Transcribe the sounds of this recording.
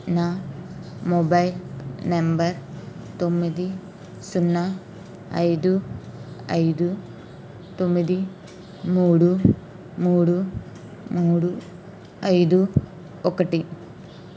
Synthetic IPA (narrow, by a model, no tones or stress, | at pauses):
na | mobɐjlnɐmbɐɾt̪omːid̪i | sunːa | ɐ̰jd̪u | ɐ̰jd̪u | t̪omːid̪i | muːɽu | muːɽu | muːɽu | ɐjd̪u | okːɐʈːi